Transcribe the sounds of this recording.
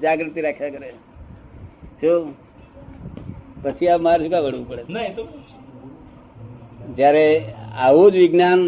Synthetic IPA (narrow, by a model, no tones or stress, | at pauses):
d͡ʒaːɡɾɪt̪iɾakʰjakəɾe | so | pət͡ʃʰiapmaɾsukaʋəɽʋupəɽe | d͡ʒjaːɾea̰ɦud̪ʋiɡnjaːn